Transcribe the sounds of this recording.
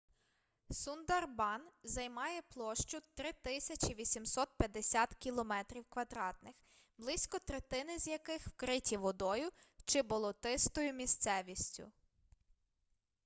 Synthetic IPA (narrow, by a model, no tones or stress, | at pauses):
sund̪ɐrbɑnzɐjmɑjɛplˠɔʃt͡ʃʊt̪ɾɪt̪ɪsʲɐt͡ʃiʋʲisʲimsɔt̪̚pʲjɐd̪esʲat̪kʲilˠɔmɛt̪ɾʲiwkʋɐd̪ɾɑt̪nɪx | blˠɪsʲkɔt̪ɾet̪ɪnɪzʲjɐkɪxwkɾɪtʲiʋɔd̪ɔjʊt͡ʃɪbɔlˠɔt̪ɪst̪ɔjʊmʲist̪sɛʋʲisʲtʲʊ̰